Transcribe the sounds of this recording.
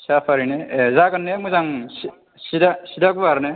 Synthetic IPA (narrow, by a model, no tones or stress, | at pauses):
sapʰaɾinezaɡanːemuzaŋs | sidasidaɡubaɾne